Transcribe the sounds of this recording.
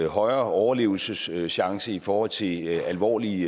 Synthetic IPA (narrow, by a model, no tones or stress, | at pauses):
hɒ̽ɪɐɒʊɐle̝̰ːʊl̩səsɕɑ̈ŋsəifɒːhɒ̽l̰t͡sʰe̝ælʋɒ̰ːli